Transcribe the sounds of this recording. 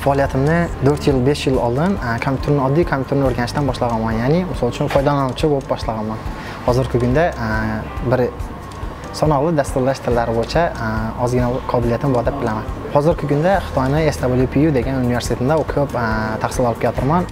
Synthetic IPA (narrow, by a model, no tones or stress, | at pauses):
faɒːlˠijat̪ʰɪmnɪd̪ʰɵɾt̪jɪlˠbe̞ʃjɪlˠɒ̰lˠd̪ɪnkʰompʰʲu̥t̪ʰʊɾnɪɒd̪ːijkʰompʰʲjut̪ʰʊɾnɪoɾɡʲanɪʃd̪anbɒʃlˠɑʁɑnmanjanɪmɪsɒlˠʊt͡ʃʰʊnfʰɒjd̪ɒlˠanʊt͡ʃʰɪbolˠɪp̚bɒʃlˠɑʁɑnman | hɒzɪɾkʲɪkʲʰʊnd̪a | bɪɾ | sɒnɒʁlˠɪd̪ast̪uɾlaʃt̪ʰɪlːaɾɪbojɪt͡ʃʰaɒzɡʲɪnalˠɪqʰɒbɪlˠijat̪ɪmbɒd̪ap̚bɪlamanhɒzɪɾkʲɪkʲʰʊnd̪aχɨ̥t̪ʰɒjnɪesd̪abɪlˠjupʰijud̪e̞ɡʲanunive̞ɾsɪt̪ʰet̪ɪmd̪aʊkʲʰɵpt̪ʰaχsɪlˠɒlˠɪp̚kʲʰejɒt̪ʰɪɾman